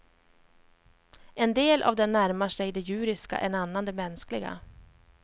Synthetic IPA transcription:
ɛnd̪eːlʔa̰vd̪ɛnːæɾmaʂɛjd̪ɛjʉ̟ːɾɪska̰ʔɛnanːand̪ɛmɛnsklɪɡa̰

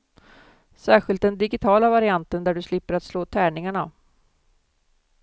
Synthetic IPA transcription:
sæːɾɧɪlt̪̚d̪ɛnd̪ɪɡɪt̪ʰɑːlavaɾɪant̪ənd̪æɖɵslɪpːəɾat̪sloːt̪ʰæːɳɪŋaɳa

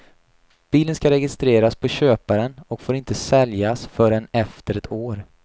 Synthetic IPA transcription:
b̥iːlənskaɾɛɡɪst̪ɾeːɾaspʰɔɕøːpaɾənɔkfoːɾɪnt̪əsɛljasfœɖɛnɛft̪əɾɛt̪ʰoːɾ

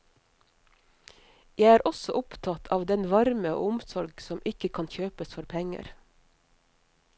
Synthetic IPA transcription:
jæɪæːɾʔɔsɔʔʊpt̪ʰɑt̪ʰɑːʋd̪ɛnʋɑɾmə̰ʔʊmsɔɾɡsɔmʔɪkəkʰɑːnçøːpəsfɔɾpʰɛŋə̰ɾ

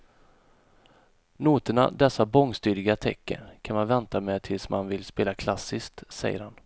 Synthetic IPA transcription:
nuːt̪əɳa̰d̪ɛsːabɔŋst̪yːɾɪɡat̪ʰɛkːə̰ɾkʰanmanvɛnt̪amɛt̪ʰɪlsmʔa̰nvɪlspeːlakʰlasːɪsk̚t̪sɛ̰jːə̰ɾhan

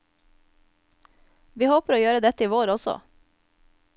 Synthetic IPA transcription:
ʋiːhoːpəɾoːjøːɾəd̪ɛt̪əiːʋoːɾɔsɔ̰

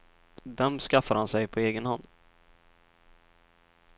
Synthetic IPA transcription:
d̪ɛmskafːaɾhansɛjpʰɔeːɡənhanː

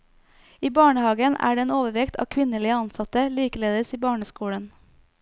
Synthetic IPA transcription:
iːbɑːɳəhɑːɡənʔæ̰ːɖeːeːnoːʋəʋɛkt̪ʰɑ̰ːkʰʋɪnəliːəɑnsɑt̪əliːkəleːd̪əsiːbɑːɳəskuːɽən

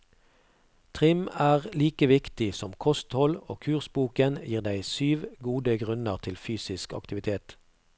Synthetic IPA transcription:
t̪ʰʁɪmæːʁliːkəʋɪkt̪ɪsɔmkʰɔst̪hɔloːkʰʉːʁsbuːkənjiːʁd̪æɪsyːʋɡuːd̪əɡʁʉnəʁt̪ʰɪlfyːsɪskɑ̰kt̪ɪʋɪt̪ʰeːt̪

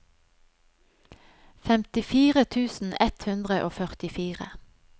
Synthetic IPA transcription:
fɛmt̪ɪfiːʁət̪ʰʉːsn̩ɛt̪hʉnd̪ʁəʔo̰ːfœʁt̪ɪfiːʁə̰

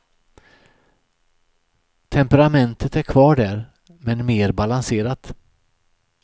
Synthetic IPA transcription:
t̪ʰɛmpɛɾamɛnt̪ʰət̪æɾkʰvɑːɖæɾ | mɛnmeːɾbalanseːɾat̪

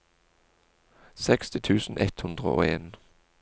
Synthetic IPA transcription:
sɛkst̪ɪt̪ʰʉːsn̩ʔɛt̪hʉnd̪ʁə̰ʔo̰ːeːn

